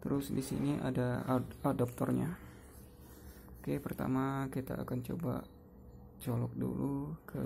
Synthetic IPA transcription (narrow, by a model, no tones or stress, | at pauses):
t̪əɾʊsdisḭniʔa̰daadɔp̚t̪ɔrɲa | okepərt̪a̰makit̪aːkant͡ʃoba̰ | t͡ʃolɔk̚dṵlukʰə